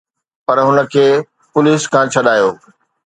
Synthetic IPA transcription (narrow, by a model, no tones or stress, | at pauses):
pɐɾɦʊnə̆kʰeː | pʊliːskʰãːt͡ɕʰɐɗaːjoː